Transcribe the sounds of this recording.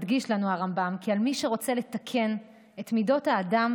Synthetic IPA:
dɡiʃlanuaʁambamkialmiʃeʁo̞t͡se̞let̪akʰe̞n | e̞tmido̞thaːdam

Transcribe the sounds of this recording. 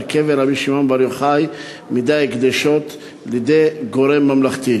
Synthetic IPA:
keveɾabiʃimonbaɾjoχaj | mid̪ajɡd̪eʃot̪ | lid̪ejɡoɾemːamlaχt̪i

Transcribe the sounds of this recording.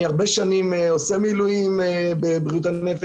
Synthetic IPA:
aʁbeʃanimeosemiluimebebʁiut̬aefe

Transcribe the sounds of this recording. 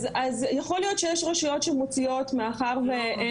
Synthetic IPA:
azjaχo̞lijo̞tʃejeʃʁeʃujo̞tʃemot͡sio̞tmeaχaʁve

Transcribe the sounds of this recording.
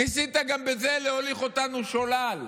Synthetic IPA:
nisit̪aɡambeze̞leho̞liχo̞t̪anuʃolal

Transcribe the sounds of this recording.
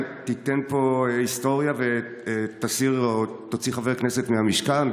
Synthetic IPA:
t̪it̪enpo̞isto̞ʁjave | t̪asiʁt̪ot͡siχaveʁknese̞tmeɦamiʃkan

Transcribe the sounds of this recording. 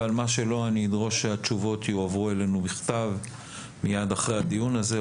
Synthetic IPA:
almaʃe̞lo̞anid̪ʁo̞ʃeat͡ʃuvo̞tjuavʁue̞le̞nubiχt̪av | mijad̪aχʁejhad̪ijunaze

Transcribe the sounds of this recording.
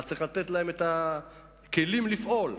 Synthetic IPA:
t͡sʁiχlat̪et̪laemet̪a | kelimlifʔo̞l

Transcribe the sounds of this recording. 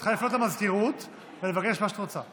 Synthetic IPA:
χajeflot̪amazkiʁut̪ | velevakeʃmaʃe̥t̪ʁot͡sa

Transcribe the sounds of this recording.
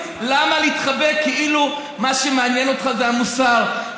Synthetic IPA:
lamaliit̪χabekːeʔilu | maʃemeanjeno̞tχaveamusaʁ

